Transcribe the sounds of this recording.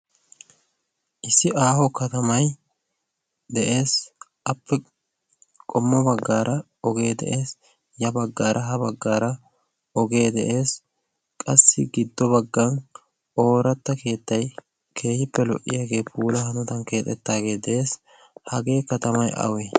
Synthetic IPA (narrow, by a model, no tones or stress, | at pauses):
ʔɪsːɪʔaːhɔkɐt̪ɐmɐj | d̪ɛʔe̞ːsʔɐpːɛ | kʼɔmːɔbɐɡːaːɾʔɐ | ɔɡe̞ːd̪ɛ̰ʔe̞ːs | jɐbɐɡːaːɾʔɐɦɐbɐɡːaːɾɐ | ɔɡe̞ːd̪ɛʔe̞ːs | kʼɐsːɪɡɪd̪ːɔbɐɡːɐn | o̞ːɾɐt̪ːɐke̞ːt̪ːɐj | kʰe̞ːhɪpːɛlɔʔːɪ̰jaɡe̞ːpʰuːlɐhɐnɔt̪ɐnke̞ːt̪ʼːɛt̪ːaːɡe̞ːd̪ɛʔe̞ːs | hɐɡe̞ːkɐt̪ɐmɐjʔɐ̰weː